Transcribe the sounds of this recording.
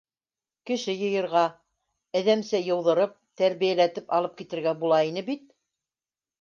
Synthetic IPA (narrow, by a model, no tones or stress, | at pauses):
kɘ̆ʃɘjɤ̆jɤ̆ɾʁɑ | ɘ̆ðæmsæjɤ̆wðɤ̆ɾɤp̚t̪æɾβijælæt̪ɘpɑlˠɤp̚kit̪ɘ̆ɾɡæbulˠɑin̪ɘbit̪̚